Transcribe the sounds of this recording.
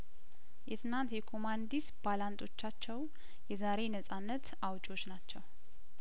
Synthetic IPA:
jɛt̪ʰɨnant̪jɛkʰo̞mand̪isb̥alant̪ʰʼo̞t͡ʃːat͡ʃːɛw | jɛzaɾe̞nəsʼanːət̪ | awt͡ʃʼo̞t͡ʃːnat͡ʃːɛw

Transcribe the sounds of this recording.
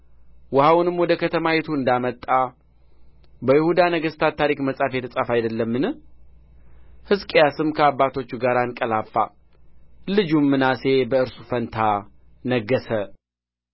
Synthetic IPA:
wəhawnɨmːwɔd̪əkʰət̪ʰəmajet̪ʰuɨnd̪amət̪ʼːa | bəjɪhud̪anəɡəst̪ʰat̪ʰːaɾikməsʼafjɛt̪ʰəsʼafajd̪əlːəmːɨnɨ | hɨskʼejasɨmkʰəabːat̪ʰo̞t͡ʃːuɡaɾankʼəlafːa̰ | lɨd͡ʒumːɨnase̞bəɨɾsu̥fənt̪ʰa | nəɡːəsə

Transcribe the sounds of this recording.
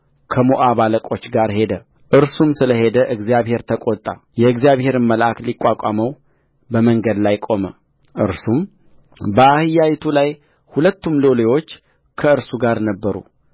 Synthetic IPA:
kʰəmoʔaβaləkʼo̞t͡ʃːɡaɾhe̞d̪ə | ʔɨɾsumsɨləɦe̞d̪əʔɨɡzijaβhe̞ɾt̪ʰəkʼot̪ʼːa̰ | jɛɨɡzijaβhe̞ɾɨnməlʔaklikʼːakʼaməw | bəməŋɡəd̪lajkʼo̞mə | ʔɨɾsum | bəahɨjajt̪ʰulaj | hulət̪ːumlolewo̞t͡ʃː | kʰəɨɾsuɡaɾnəbːəɾṵ

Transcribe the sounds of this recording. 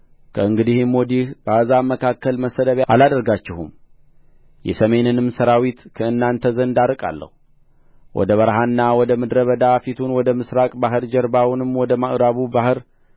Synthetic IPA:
kʰəɨŋɡɨd̪ihɨmwɔd̪ihbəʔəzaməkʰakːəlməsəd̪əβalad̪əɾɡat͡ʃːɪhum | jɛ̰səme̞nɨnɨmsəɾawit̪kʰəɨnːant̪ʰəzənd̪aɾɨkʼa̰lːə̰hu | wʔɔ̰d̪əβəɾɦanːawɔd̪əmɨd̪ɾəβəd̪afit̪ʰunwɔd̪əmɨsɾakʼbaɦɨɾd͡ʒɛɾbawunɨmːwɔd̪əmaʔɾaβubahɨɾ

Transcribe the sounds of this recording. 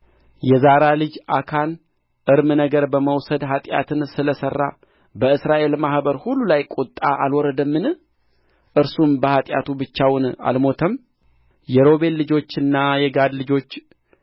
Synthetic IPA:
jɛzaɾalɨd͡ʒʔakʰan | ʔɨɾmɨnəɡəɾbəməwsəd̪ɦat̪ʼja̰t̪ʰɨnsɨləsərːa̰ | bəɨsɾaʔe̞lmahbəɾhulːulajkʼut̪ʼːaʔalwɔɾəd̪əmːɨn | ʔɨɾsumbəhat̪ʼja̰t̪ʰubɨt͡ʃːawna̰lmo̞t̪ʰəm | jɛɾo̞be̞lːɨd͡ʒo̞t͡ʃːɨnːajɛɡad̪lɨd͡ʒo̞t͡ʃː

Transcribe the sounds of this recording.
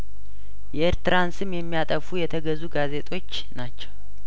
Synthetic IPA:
jɛʔeɾt̪ɨɾansɨmjɛmːijat̪ʼəfujɛt̪ʰəɡəzuɡaze̞t̪ʼo̞t͡ʃː | nat͡ʃːɛw

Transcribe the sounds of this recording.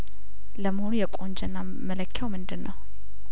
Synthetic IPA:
ləməhonujɛkʼo̞nd͡ʒɛnːa | mələkʰːjawmɨnd̪ɨnːəw

